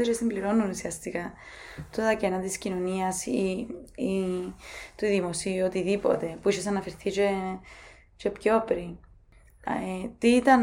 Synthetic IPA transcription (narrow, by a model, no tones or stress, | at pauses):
ot͡ʃesimbliɾo̞nunusiɐst̪ikɐt̪ot̪ɐcenɐt̪iscino̞niɐsii | t̪uðimo̞siuot̪iðipo̞̰t̪e̞puiʃesɐnɐfeɾθit͡ʃe | t͡ʃe̞pco̞pɾi | et̪iit̪ɐn